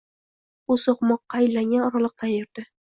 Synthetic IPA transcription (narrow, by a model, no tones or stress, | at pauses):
usoqmɒqːɑɪlːaŋɡʲanɒɾalˠɨq̚t̪anjoɾd̪̥ɪ